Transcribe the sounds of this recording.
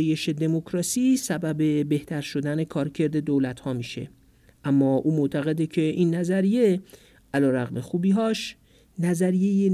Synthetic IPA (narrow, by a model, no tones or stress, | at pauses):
je̞ʃe̞d̪e̞mo̞kʰɾɒːsiːsæbæbe̞be̞ht̪ʰæɾʃo̞d̪æne̞kʰɒːɾcʰe̞ɾd̪e̞d̪oːlæt̪hɒːmiːʃe̞̰ | ʔæmːɒːʔuːmo̞ʔt̪ʰæɣe̞d̪ecʰe̞ʔiːnːæzæɾije̞ | ʔælɒːɾæɣmexuːbiːɦɒːʃ | næzæɾije̞je